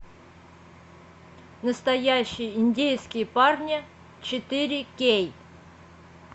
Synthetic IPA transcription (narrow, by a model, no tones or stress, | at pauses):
nəst̪ɐjæɕːɪjəɪnʲdʲejskʲɪjəparnʲɪ | t͡ɕɪt̪ɪɾʲɪkʲej